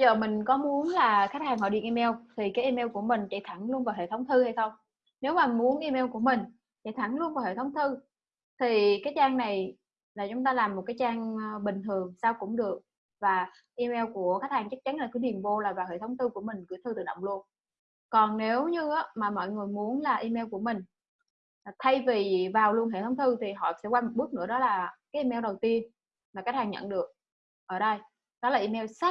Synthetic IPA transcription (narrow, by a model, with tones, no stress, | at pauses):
zəː˨˩mï˨˩ŋ̟kɔ˨˦mu˨˦ənlaː˨˩xa˦˥k̚haː˨˩ŋɦɔ̰˧˨ɗḭ˧˨əʔi˧mɛ˧wt̪ʰi˨˩kaː˨˦ʔi˧mɛ˧wku˧˩əmï˨˩ŋ̟t͡ɕa̰ː˧˩jt̪ʰa˧˩ŋlu˧ənvaː˨˩wɦḛ˧˨˩t̪ə˨˦wŋ͡mt̪ʰɨ˧ha˧jxə˧wŋ͡m | ne˨˦wmaː˨˩˨mu˨˦ənʔi˧mɛ˧wku˧˩əmï˨˩ŋ̟ | t͡ɕa̰˧˩jt̪ʰa˧˩ŋlu˧ənvaː˨˩whḛ˧˩t̪ʰwŋ͡mt̪ʰɨ˧ | t̪ʰi˨˩kaː˨˦jt͡ɕaː˧ŋna˨˩j | laː˨˩t͡ɕʊ˨˦ŋ͡mt̪aː˧laː˨˩mːo˨˩t̚kaː˨˦jt͡ɕaː˧ŋɓï˨˩ŋ̟t̪ʰɨ˨˩əŋsaː˧wkʊ̰˧˥ŋ͡mɗɨ˨˩ək̚ | vaː˨˩ | ʔi˧mɛ˧wku˧˩əkaː˦˥k̚haː˨˩ŋt͡ɕa˦˥k̚t͡ɕa˨˦nla˨˩kɨ˧˦ɗi˨˩ənvo˧laː˨˩vaː˨˩wɦḛ˧˨t̪ʰə˨˦wŋ͡mt̪ʰɨ˧ku˧˩əmï˨˩ŋ̟kɨ̰˧˥jt̪ʰɨ˧t̪ɨ˨˩ɗə̰˧˨wŋ͡mlu˧ən | kɔ˨˩nne˨˦wɲɨ˧aː˨˦maː˨˩mɔ̰˧˨jŋɨ˨˩əjmu˨˦ənlaː˨˩ʔi˧mɛ˧wku˧˩əmï˨˩ŋ̟˨˩ | t̪ʰa˧jvi˨˩vaː˨˩wlu˧ənɦḛ˧˨t̪ʰwŋ͡mt̪ʰɨ˧t̪ʰi˨˩ɦɔ̰˧˨sɛ̰˧˥kwa˧jmo˨˩ɓɨ˦˥t̚nɨ̰˧˥əɗɔ˨˦laː˨˩kaː˨˦jʔi˧mɛ˧wɗə˨˩wt̪i˧ən | maː˨˩ka˦˥k̚haː˨˩ŋɲə̰˧˨nɗɨ˨˩ək̚ | ʔəː˧˩ɗə˧j | ɗɔ˨˦laː˨˩ʔi˧mɛ˧wsa˦˥